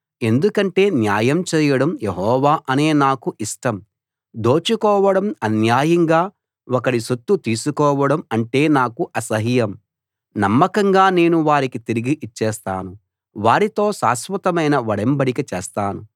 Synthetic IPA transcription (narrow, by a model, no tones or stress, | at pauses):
e̞nd̪ukɐɳʈe̞ːnjaːjɐmt͡ʃɛːjɐɽɐmjeɦɔːʋaːʔɐne̞ːnaːkuʔiʂʈɐm | d̪oːt͡ʃukɔːʋɐɽɐmɐnjaːjɐŋɡaː | wɔkɐɽiʃut̪ːut̪iːsukɔːʋɐɽɐmɐɳʈe̞ːnaːkuʔɐsɐɦijɐm | nɐmːɐkɐŋɡaːne̞ːnuʋaːɾikit̪iɾiɡiʔit͡ʃːɛːst̪a̰ːnu | ʋaːɾit̪o̞ːʃaːsʋɐt̪ɐmɐjnɐʋɐɽɐmbɐɽikɐt͡ʃeːst̪aːnu